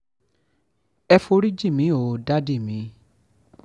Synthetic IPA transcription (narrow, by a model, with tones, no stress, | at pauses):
ɛ˧fo˧ɾi˦d͡ʒi˦˨mĩ˨˦o˨da˦di˦˨mĩ˨˦